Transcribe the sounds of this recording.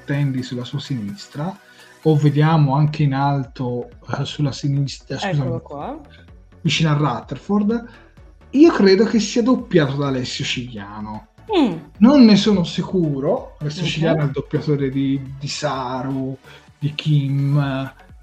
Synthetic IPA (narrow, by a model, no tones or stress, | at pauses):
t̪ːɛnd̪isulːasuːasinist̪ɾa | ovːed̪jaːmoaŋk̟ʰeinalt̪osulːasinist̪askuzami | vit͡ʃiːnoarːat̪ːeɾford̪ | iːokɾeːd̪okesːiːad̪opːjaːt̪od̪alɛsːjot͡ʃiʎːjaːno | nonːesoːnosikuːɾolɛsːjot͡ʃiʎjaːnoɛld̪opːjat̪oːɾed̪id̪isaɾu | d̪ikʰim